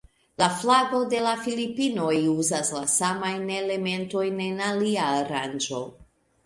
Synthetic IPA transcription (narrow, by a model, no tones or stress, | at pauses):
laflaɡo̞de̞lafilipino̞juzaslasamajnele̞me̞nto̞jne̞naliaːɾand͡ʒo̞